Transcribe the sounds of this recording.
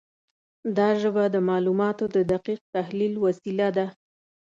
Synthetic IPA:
d̪ɑʒəbad̪əmɑlumɑt̪od̪əd̪aqiq̚t̪ahlilwasilad̪a

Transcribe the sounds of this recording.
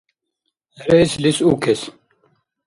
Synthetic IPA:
ɐɾejslisuːkʰes

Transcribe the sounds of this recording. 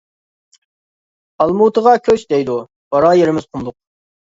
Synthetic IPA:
ɑlˠmut̪əʁɑkʲʰøt͡ʃd̪ɛjd̪u | b̥ɑɾɑːjeɾɪmɪz̥qʰʊmlˠʊq̚

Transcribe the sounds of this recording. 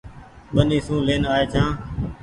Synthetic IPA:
ɓəniːsũːleːnaːeːt͡ʃʰãː

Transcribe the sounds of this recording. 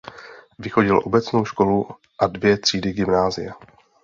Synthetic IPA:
vɪxo̞ɟɪlʔo̞bɛt͡sno̞wʃko̞lu | ʔadvjɛt̪r̝̥iːdɪɡɪmnaːzɪja

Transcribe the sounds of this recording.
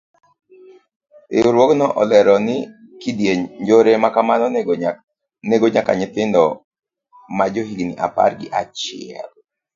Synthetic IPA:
ḛʊɾwɔknɔʔɔlɛɾɔnɪ | kidjeɲɲd͡ʒoɾemakamanɔ | neɡoɲaka̰ɲɪt̪ɪndɔ | mad͡ʒoɦiɡnɪ̰ʔa̰pa̰ɾɡɪ̰ʔat͡ʃɪɛ̰l

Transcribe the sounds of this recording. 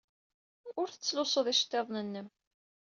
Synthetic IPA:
ʊɾθə̥t͡sːlʊsˤəðˤiʃt̪ːeðˤnənːəm

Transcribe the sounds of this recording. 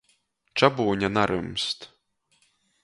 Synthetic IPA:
t͡ʃabuːɲʲanaɾumst̪

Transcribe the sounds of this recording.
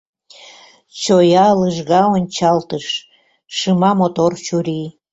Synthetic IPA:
t͡ɕojɑləʒɣɑonʲt͡ɕɑlt̪əʃː | ɨmɑmot̪ort͡ɕuɾi

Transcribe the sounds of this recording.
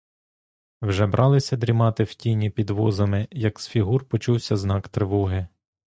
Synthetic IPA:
wʒɛbɾʔɑlˠɪsʲɐd̪ɾʲimɑt̪ɪwtʲinʲipʲid̪ʋɔzɐmɪjɐksfʲiɦurpɔt͡ʃuwsʲɐznɑkt̪ɾɪʋɔɦɪ

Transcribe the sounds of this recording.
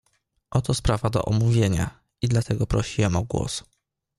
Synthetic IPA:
ʔɔt̪ɔspɾavad̪ɔ̰ʔɔmuvʲjeɲa̰ | id̪lat̪ʰɛɡɔpɾɔɕiwɛmɔɡwɔ̰s

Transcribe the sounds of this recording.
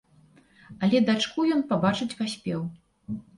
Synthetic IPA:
ɐlʲɛd̪at͡ʂkujɔnpabat͡ʂɨt͡sʲpasʲpʲɛw

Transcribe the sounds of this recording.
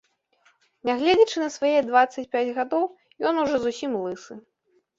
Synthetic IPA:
nʲaɣlʲed͡zʲɐt͡ʂɨnɐsvajɛd̪vat̪sːɐt͡sʲpʲad͡zʲɣad̪ɔw | jɔnuʐɔzusʲimlˠɨsɨ

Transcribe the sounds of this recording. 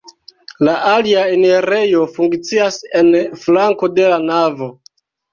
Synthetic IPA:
laʔaliaeneɾe̞jo̞fuŋkt͡siase̞nflaŋko̞de̞lanavo̞

